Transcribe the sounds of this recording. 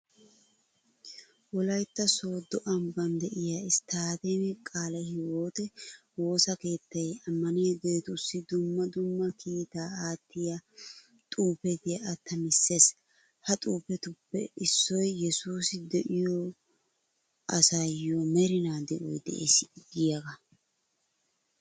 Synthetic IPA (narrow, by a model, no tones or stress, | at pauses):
wɔlɐjt̪ːɐsoːd̪ɔʔɐmbɐnd̪ɛʔɪjaɪst̪aːd̪enɛkʼaːlɐhɪwoːt̪ɛwo̞ːsɐke̞ːt̪ːɐjɐmːɐnɪjɐɡeːt̪ʊsːɪd̪ʊmːɐd̪ʊmːɐkʰiːt̪aːaːt̪ːɪjɐ | t̪ʼuːpɛt̪ɪjɐʔːt̪ʰːɐmɪsːe̞ːs | hɐt̪ʼuːpɛt̪ʊpːɛ̰ɪsːɔjjɛsuːsɪd̪ɛʔɪjɔ | ʔɐsajomɛɾɪnaːd̪ɛʔɔ̰jd̪ɛ̰ʔḛːsɪɡɪjaɡɐ